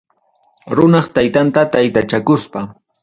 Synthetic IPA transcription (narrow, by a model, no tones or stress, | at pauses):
ɾʊnɑχt̪ajt̪ant̪at̪ajt̪at͡ʃakʊspa